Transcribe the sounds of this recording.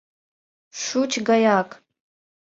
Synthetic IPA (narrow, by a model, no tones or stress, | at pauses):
ʂut͡ʃʰɡajakʼ